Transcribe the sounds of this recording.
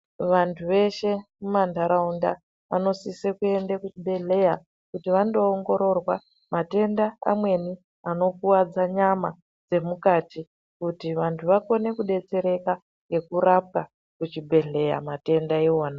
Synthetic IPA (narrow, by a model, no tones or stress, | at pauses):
ʋantʰuʋe̞ʃe̞mumandʱaɾaunda̰ | ʋa̰no̞sisekue̞ndakut͡ʃibʱe̞ɮe̞ja | kutiʋando̞ːŋɡo̞ɾo̞rwa | mate̞ndaa̰mwe̞ni | ano̞kuwad͡zaɲama | d͡ze̞mukati | kutiʋantʰuʋako̞ne̞kuɗe̞t͡se̞ɾe̞ka | ŋɡe̞kuɾap̚ka | kut͡ʃibʱe̞ɮe̞ja̰mate̞ndaioːna